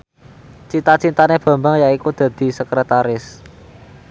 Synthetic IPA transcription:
t͡ʃint̪at͡ʃint̪aneb̥a̤mbaŋjaikud̪̥ä̤d̪̥i̤səkɾət̪aɾɪs

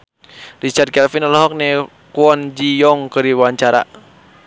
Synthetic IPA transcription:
rit͡ʃard̪̚kɛlfinɔlɦɔk̚nɛ | kuɔnd͡ʒijɔŋkɨɾiwaɲt͡ʃaɾa̰

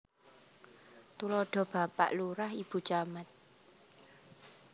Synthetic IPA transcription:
t̪ulɔɖ̥ɔ̤b̥a̤pa̰ʔluɾahib̥ṳt͡ʃamat̪̚

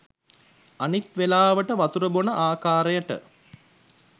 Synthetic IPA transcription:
anit̪ʋelaːʋəʈəʋat̪uɾəbonəʔaːkaːɾejəʈə̰

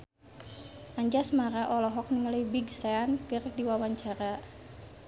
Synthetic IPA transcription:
ʔaɲd͡ʒasmaɾaʔɔlɔɦɔk̚niŋaləjbiɡsaankɨrkdiwawaɲt͡ʃaɾa

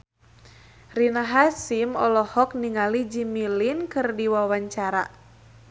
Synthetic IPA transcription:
rinaɦasimɔlɔhɔk̚niŋalid͡ʒimilinkɨrdiwawaɲt͡ʃaɾa

